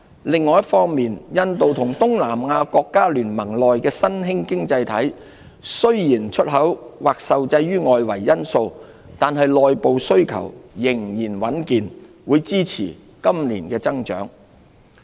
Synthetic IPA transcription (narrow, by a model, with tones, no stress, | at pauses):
lɪ˨ŋːɔː˨˧jɐ˥t̚fɔː˥ŋmiː˨njɐ˧nt̪o˨wt̪ʰʊ˨˩ŋt̪ʊ˥ŋlaː˨˩mŋaː˧kɔː˧kːaː˥lyː˨˩nmɐ˨˩ŋlɔː˨jkɛː˧sɐ˥nɦɪ˥ŋkɪ˥ŋt͡sɐ˧jt̪ʰɐ˨˥j | sɵ˥ɥjiː˨˩nt͡ʃʰɵ˥t̚ɦɐ˨˥wwaː˨˩k̚sɐ˨wt͡sɐ˧jːyː˥ŋɔː˨jwɐ˨˩jːɐ˥nso˧w | t̪aː˨nɦɐ˨jlɔː˨jpo˨wsɵ˥ɥkʰɐ̰˨˩wjɪ˨˩ŋjiː˨˩nwɐ˨˥nkiː˨n | wuː˨˧jt͡siː˥t͡sʰḭː˨˩ | kɐ˥mlḭː˨˩nkɛː˧t͡sɐ˥ŋt͡ʃœ̰ː˨˥ŋ